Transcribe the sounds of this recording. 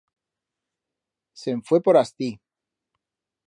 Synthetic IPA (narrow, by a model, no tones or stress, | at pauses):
seɱfwepoɾast̪i